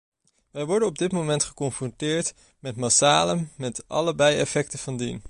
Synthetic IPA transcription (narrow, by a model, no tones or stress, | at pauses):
ʋɛjʋɔɹdənɔb̚dɪtmowmɛntχə̥kɔnfrɔntɪːɹt | mɛtmasaːləmɛtɑ̰ləbɛjɛfɛk̚təv̥ɑndin